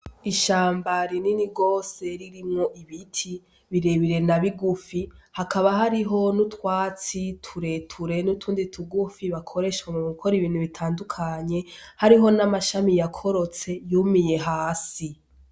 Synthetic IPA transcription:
iʃaːmbaɾininiɡo̞ːse̞ɾiɾimŋo̞ʔiβitʰi | βiɾeβiɾe̞naβiɡufihakʰaβaɦaɾiɦo̞nutwaːt͡sitʰuɾe̞tʰuɾe̞nutʰuːnditʰuɡufiβakʰo̞ɾe̞ʃwemumukʰoɾiβiːn̥huβitʰaːndukʰaɲe̞haɾiɦo̞namaʃamijakʰo̞ɾo̞t͡se̞jumije̞ɦaːsi

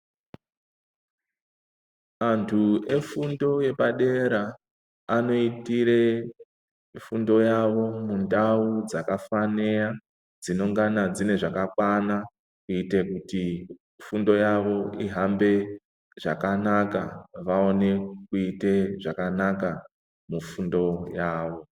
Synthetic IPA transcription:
antʰue̞fundo̞je̞paɗe̞ɾaː | no̞itire̞ | fundo̞jaʋo̞mundaud͡zakafaneja | d͡zino̞ŋɡanad͡zine̞ʐakakwana | kuite̞kuti | fundo̞jaʋo̞iɦambe̞ | ʐ̥akanaka̰ʋao̞ne̞kuite̞ʐakanaka | mufundo̞jaːʋo̞

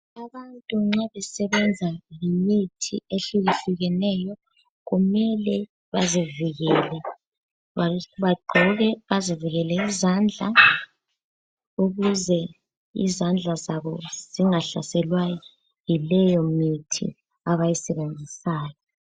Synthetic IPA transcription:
aβantʼuŋ͡ǁaβɛsɛβɛnd͡zʱalimitʰḭeɬuɣiɬuɣɛnɛːjɔ | ɣumɛlɛ | βaziviɣɛːlɛ | aβaɡ͡ǃʱɔɣɛβaziviɣɛlɛizand͡ɮʱa̰ | uɣuzɛ | ḭzand͡ɮʱazaβɔz̥iŋaɬa̰sɛlwajɔ | jilɛjɔmitʰḭ | aβajisɛβend͡zʱisaːjɔ

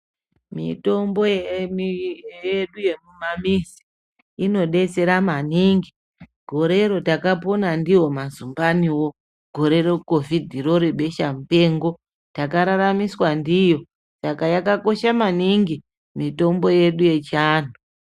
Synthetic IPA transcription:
mḭto̞mbo̞je | jeɗuje̞mumamisi̥ | ino̞ɗe̞t͡se̞ɾamaniŋɡi | ɡʱo̞ɾe̞ɾo̞takapo̞nandiwo̞mazumbaniwo̞ | ɡʱo̞ɾe̞ɾo̞ko̞vidʱiro̞ɾeɓe̞ʃamupe̞ːŋɡo̞ | takaɾaɾamiswandijo̞ | sakajakako̞ʃamaniŋɡi | mito̞mbo̞je̞ɗuje̞t͡ʃaːn̤u

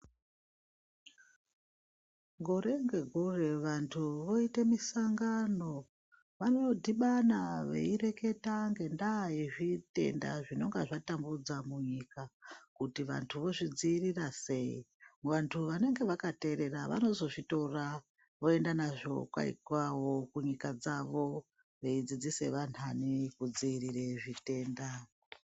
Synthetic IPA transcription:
ŋɡoɾe̞ŋɡe̞ɡʱure̞ʋantʰuʋo̞itemisaŋɡano̞ | ʋanoodʱiɓanaʋe̞̰iɾe̞ke̞taŋɡe̞ndaiʐite̞̰nda̰ʐino̞ŋɡaʐatambud͡zamuɲikakutiʋa̰ntʰuʋo̞ʐid͡ziːrirase̞ḭʋantʰuʋane̞ŋɡe̞ʋakate̞ɾe̞raʋa̰no̞zo̞ʐito̞ra | o̞e̞ndanaʐo̞̰kwa̰ḭkwawo̞kuɲikad͡zaʋo̞ | ʋe̞id͡zid͡zise̞ʋan̤anekud͡ziːriɾeʐite̞ːnda

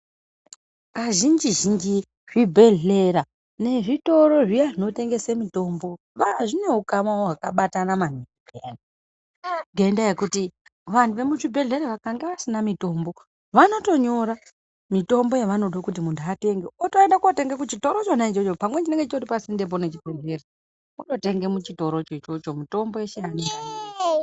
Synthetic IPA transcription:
kaʒind͡ʒiʒind͡ʒi | ʐibʱe̞ɮe̞ɾa | ne̞ʐito̞ɾo̞ʐiaʐino̞te̞ŋɡe̞semito̞mbo̞ | ʋaʐine̞ɦukamaoɦwakaɓatanamaniiɡani | ŋɡendajekutiʋantuʋe̞muʐibʱe̞ɮe̞ɾaʋakaŋɡeʋasinamito̞ːmbo̞ | ʋano̞to̞ɲo̞ɾa | mito̞mbo̞jeʋanoɗokut̬imuntuate̞ŋɡeotoendakunote̞ŋɡekut͡ʃito̞ɾot͡ʃonait͡ʃot͡ʃopamwet͡ʃine̞ŋɡeit͡ʃoripasinde̞p̬onet͡ʃibʱe̞ɮe̞ɾe | uno̞te̞ŋɡemut͡ʃito̞ɾo̞t͡ʃot͡ʃo̞t͡ʃo̞mito̞mbojeʃeanea

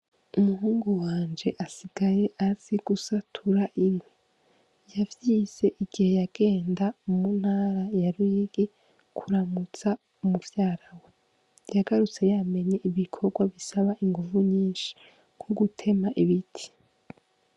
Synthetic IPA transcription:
umuɦuːŋɡuwaːnd͡ʒe̞ʔasiɡ̥aje̞ʔaz̥iɡ̥usatʰuɾaʔimwe | javjiːz̥e̞ʔiɡ̥ihe̞jaɡ̥e̞ːndamun̥haːɾajaɾuiɡi | kʰuɾamut͡sa | umuvjaːɾawe | jaɡaɾut͡se̞jame̞ɲeʔiβikʰo̞ɾɡwaβisaβaʔiŋɡuvuɲiːnʃi̥ | kwoɡutʰe̞maʔiβitʰi̥

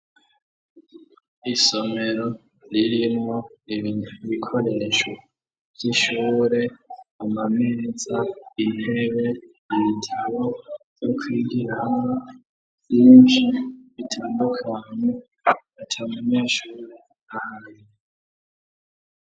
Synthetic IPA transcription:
isomeɾo | liɾimoliβinβikʰoleʃo | z̥iʃuːɾeamamezaieβeniβitʰaβojokʰwiɡiɾana | iʃiβitʰaːndukʰane | atʰamuneʃuːɾe | ahaɾi

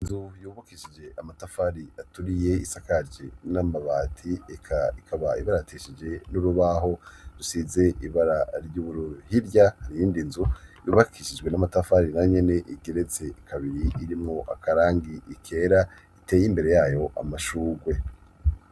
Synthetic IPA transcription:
inzujuːβakiʃid͡ʒe̞ʔamatafaɾiatuɾije̞isakaɾd͡ʒenamaβaːtʰiekʰaikʰaβaiβaɾajitʰeːʃid͡ʒe̞nuɾuβaɦo̞ɾusize̞ʔiβaɾaɾjuːβuɾuhiɾjahaɾijiːndinzujṵːβakʰiʃid͡ʒɡwe̞namatafaɾinaɲe̞ne̞ʔiɡe̞ɾe̞t͡se̞kʰaβiɾiːɾimŋoʔa̰kaɾaːŋɡiʔikʰe̞ːɾa | ite̞ːjimbe̞ɾe̞jaːjo̞ʔa̰maʃuːɡwe̞

